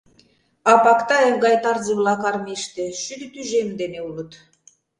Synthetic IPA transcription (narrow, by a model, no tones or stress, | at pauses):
ɑpɑkt̪ɑeŋɡɑjt̪ɑrziβlɑkɑrmeʃt̪ĕʃyd̪ɘt̪yʒemd̪eneulut̪